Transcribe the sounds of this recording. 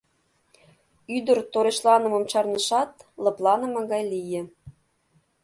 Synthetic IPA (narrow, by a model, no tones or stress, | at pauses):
yd̪ərt̪oɾeʃlɑnə̆mɤ̆mt͡ɕɑrnɤ̆ʃɑt̪lɤ̆plˠɑnə̆mɤ̆ɣɑjlijĕ